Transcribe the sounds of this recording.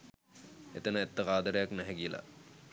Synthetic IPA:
et̪ənəet̪ːəʁaːd̪əɾejaknæɦɛɡijəla̰

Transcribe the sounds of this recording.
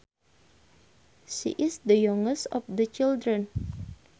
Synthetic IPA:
ʃḭʔɪsd̪əjɔŋəsɔfd̪ət͡ʃildɾən

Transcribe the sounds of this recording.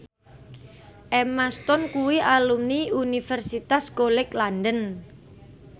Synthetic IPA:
ʔɛmast̪ɔnkuwiʔalumniunifɛrsit̪asɡolɪklandən

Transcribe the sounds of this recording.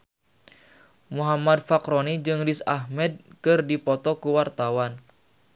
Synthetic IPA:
muɦamad̚fakɾonid͡ʒɨŋdisahmɛd̚kɨrdipɔt̪ɔkuwart̪awan

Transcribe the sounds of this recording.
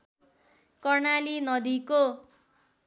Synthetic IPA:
kʌrnalinʌd̪iko

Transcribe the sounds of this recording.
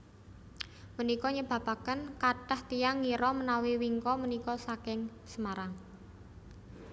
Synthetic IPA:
mənikɔɲəb̥a̤b̥akənkaʈəht̪ijaŋːiɾɔmənawiwiŋkɔmənikɔsakɪŋ | səmaɾaŋ

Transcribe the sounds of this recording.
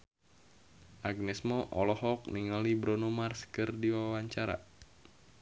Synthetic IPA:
ʔaɡ̚nɛsmɔʔɔlɔhɔk̚niŋalibɾɔnomarskɨrdiwawaɲt͡ʃaɾa̰

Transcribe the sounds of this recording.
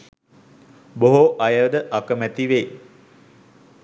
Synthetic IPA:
boɦoʔajəʋd̪əʔakəmæt̪iʋe

